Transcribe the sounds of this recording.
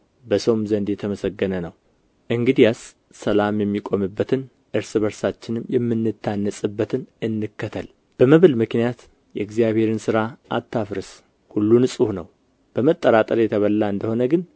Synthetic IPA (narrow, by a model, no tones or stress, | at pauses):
bəsəwmzənd̪jɛt̪ʰəməsəɡːənənəw | ʔɨŋɡɨd̪ijasː | əlamjɛmːikʼo̞mɨbːət̪ʰɨn | ʔɨɾsɨβəɾsat͡ʃːɪnɨmjɛmːɨnːɨt̪ʰːanːəsʼɨbːət̪ʰɨnɨnːɨkːət̪ʰəl | b̥əməβɨlmɨknijat̪ | jɛɨɡzijaβhe̞ɾɨnsɨɾaʔat̪ʰːafɾɨs | hulːunɨsʼuhnəw | b̥əmət̪ʼːəɾat̪ʼəɾjɛt̪ʰəβəlːaɨnd̪əho̞nəɡɨn